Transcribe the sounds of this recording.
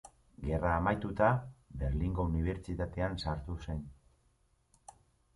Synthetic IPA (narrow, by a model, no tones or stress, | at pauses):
ɡe̞raːmajt̪ut̪abe̞ɾliŋɡo̞uniβ̞e̞ɾt͡ʃit̪at̪e̞ansaɾt̪use̞n